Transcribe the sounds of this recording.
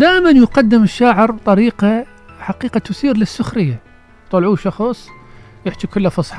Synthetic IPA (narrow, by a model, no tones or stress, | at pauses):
d̪aːʔmanjqɑd̪ːɪmɪʃːaːʕɪɾbt̪ˤɑɾiːqa | ħaqiːqɑt̪ʊsiːɾlɪsːʊxɾɪjːa | t̪ˤɑlʕuːʃɑxsˤ | jɪħt̪ikʊlːafɑsˤħɑ